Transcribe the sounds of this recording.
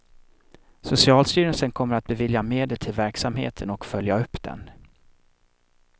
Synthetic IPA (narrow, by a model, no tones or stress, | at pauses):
sʊsɪɑːlst̪yːɾənsənkʰɔmːəɾat̪̚bɛvɪljameːd̪əlt̪ʰɪlvæɾksamɦḛːt̪ʰənɔkfœljaɵpːd̪ɛ̰n